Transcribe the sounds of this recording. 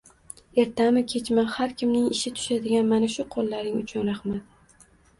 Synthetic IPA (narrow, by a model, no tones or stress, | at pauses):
e̞ɾt̪ʰamɪkʲʰe̞t͡ʃmahaɾkʲʰɪmnɪŋɪʃɪt̪ʰʊ̥ʃad̪ɪɡʲanmanaʃʊqʰolˠːaɾɪŋʊt͡ʃʰʊnɾaχmat̪̚